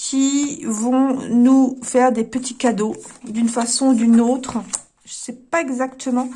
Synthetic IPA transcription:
kʲʰivɔ̃nufɛʁd̪epət̪ʰikad̪od̪ynfasɔ̃ud̪ynot̪χ | ʒ̥əsɛpaɛɡzakt̪ʰəmɑ̃

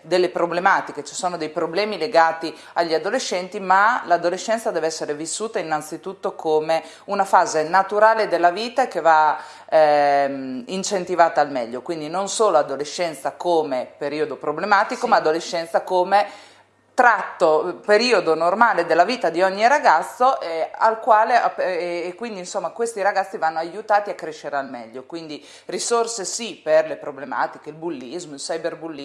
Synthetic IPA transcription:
d̪elːepɾoblemaːt̪iket͡ʃi̥soːnod̪ejpɾoblɛːmileɡaːt̪i | aʎːiad̪oleʃːɛnt̪imalad̪oleʃːɛnt̪sad̪ɛːveɛsːeɾevisːuːt̪ainːant̪sit̪ut̪ːokʰome | unafaːzenat̪uɾaːled̪elːaviːt̪akeva | mint͡ʃent̪ivaːt̪aːlmɛʎːokwind̪inonsoːload̪oleʃːɛnt̪sakoːmepeɾiːod̪opɾoblemaːt̪ikomaːd̪oleʃːɛnt̪sakoːme | t̪ɾat̪ːopeɾiːod̪onormaːled̪elːaviːt̪ad̪iɔɲːiɾaɡat̪sːoʔea̰lkwaːleapːkːwind̪insomːakwest̪iɾaɡat̪sːivanːoajut̪aːt̪iakːɾeʃːeɾealmɛ̰ʎːokwind̪i | risorsesiperlepɾoblema̰ːt̪ikeilbulːizmoilsajberbulːi

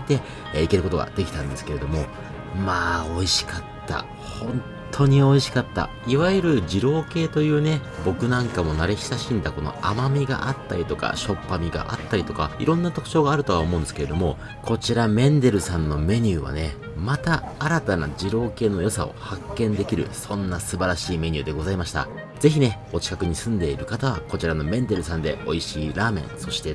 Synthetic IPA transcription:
t̪e̞ | ike̞ɾɯko̞t̪o̞ɡa̰d̪̥e̞kʲi̥t̪ãnd̪e̞sɨ̥keɾe̞d̪o̞mo̞ | maːo̞iɕi̥kat̪ʰːa̰ | hõ̞nt̪ʰo̞ɲ̟io̞iɕi̥kat̪ːa̰ | iβaiɾɯ̟ʑiɾo̞ːke̞ːt̪o̞jɯ̟ːne̞bo̞kɯ̟nãŋkamo̞naɾe̞ɕi̥saɕĩnd̪ako̞no̞̰amamʲiɡa̰ʔat̪ːaɾʲit̪o̞ka̰ɕo̞pːamʲiɡa̰ʔa̰t̪ːaɾʲit̪o̞ka̰ḭɾõ̞nːat̪o̞kɯ̟̥t͡ɕo̞ːɡaːɾɯ̟t̪o̞ao̞mõ̞ːnd̪sɨ̥keed̪o̞mo̞ | kʰo̞t͡ɕiɾamẽ̞nd̪e̞ɾɯ̟sãnːo̞me̞ɲ̟ɨːβa̰ne̞ | mat̪aːɾat̪ana̰d͡ʑiɾo̞ːke̞ːno̞jo̞sa̰o̞̰hakːẽ̞nd̪e̞kʲiɾɯ̟̰sõ̞nːasɨbaɾaɕiːme̞ɲ̟ʲɨːd̪e̞ɡo̞zaimaɕi̥t̪a̰ | z̥e̞çʲine̞ | o̞t͡ɕi̥kakɯ̟ɲ̟isɨ̃nd̪e̞iɾɯ̟kat̪aβ̞ako̞t͡ɕiɾano̞mẽ̞nd̪e̞ɾɯ̟sãnd̪e̞̰o̞̰iɕiːɾaːmẽ̞̰ɰ̃so̞ɕi̥t̪e̞

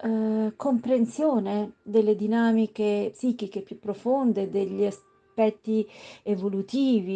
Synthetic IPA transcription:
kompɾensjoːned̪elːed̪inaːmikepsiːkikepːjupːɾofond̪ed̪eʎːias | pɛt̪ːievolut̪iːvi

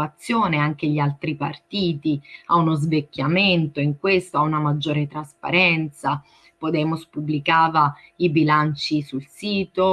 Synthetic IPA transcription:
at̪sːjoːneaŋk̟eʎialt̪ɾipart̪iːt̪iaunozvekʲːjament̪oiŋkwest̪oaunamad͡ʒːoːɾet̪ɾaspa̰ɾɛnt̪sa | pod̪ɛːmospubːlikaːvaibilant͡ʃisulsiːt̪o

